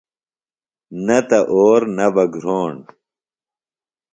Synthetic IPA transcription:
nɐt̪ɐʔoːɾnɐbɐɡɾoːɳ

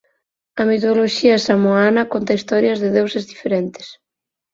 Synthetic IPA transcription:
ɐmit̪ooloʃiɐsamoanɐkont̪ɐist̪ɔɾjɐzðeðewsezðifeɾent̪e̥s

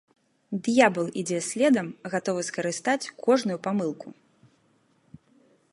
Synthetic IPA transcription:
d̪jabɨlˠid͡zʲɛsʲlʲɛd̪ɐmɣat̪ɔvɨskɐɾɨst̪at͡sʲkʰɔʐnujupamɨlˠku

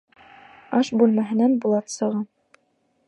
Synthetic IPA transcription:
ɑʃbʉlˠmæɦɘ̆nænbulˠɑt̪sɤ̆ʁɤm

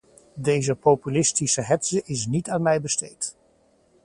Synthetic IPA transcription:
dejzəpopylɪstisəɦɛtsəʔɪs̬nitaːnmɛjbəstejt

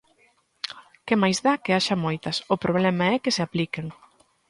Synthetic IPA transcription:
kɪmajzðakeaʃɐmojt̪ɐsʊpɾʔoβ̞lɛmɐɛkɪseaplikeŋ

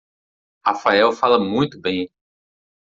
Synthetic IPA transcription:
hafaɛwfalɐmũj̃t̪ʊbẽj̃

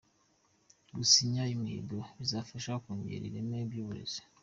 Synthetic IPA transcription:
ɡusiɲaimḭdoβizafaʃakuɲɟḛɾḭɾemebjoɾeze̥

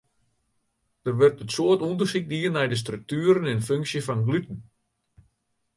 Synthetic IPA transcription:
d̥ərʋərtətsoətundərsik̚diərnɛjdəs̬trøk̚tyəɾənɪnføŋksjəfɔnɡlytən̩

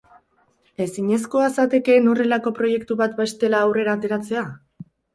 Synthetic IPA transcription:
e̞siɲe̞s̬ko̞asat̪e̞ke̞no̞re̞lako̞pɾo̞je̞kt̪uβat̪best̪e̞laːwre̞ɾaːt̪e̞ɾat͡se̞a

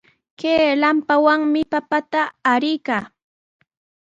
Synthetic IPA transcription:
keːlampawaŋmɪpapat̪aːɾɪjkaː

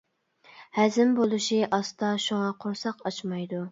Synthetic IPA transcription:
hɛzɪmbolˠuʃiʔɑst̪ɑʃuŋɑqʰoɾsɑqɑt͡ʃmɑjd̪u

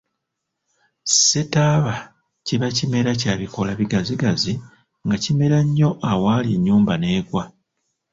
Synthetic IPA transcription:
se̞taβa | ciβacime̞ɾacaːβiko̞laβiɡaziɡazi | ŋɡacime̞ɾaɲːo̞ʔawaːliɲːuːmbane̞ːɡwa

